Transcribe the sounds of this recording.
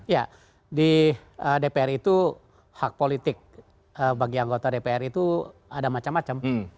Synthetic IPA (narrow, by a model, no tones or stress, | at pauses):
ja | di | ədepeɛrit̪u | hak̚polit̪ɪk̚ | əbaɡiaŋɡot̪adepeɛrit̪uadamat͡ʃamːat͡ʃam